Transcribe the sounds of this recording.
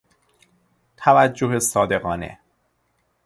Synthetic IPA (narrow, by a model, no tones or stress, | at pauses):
t̪ʰævæd͡ʒːoɦesɒːd̪e̞ɣɒːnḛ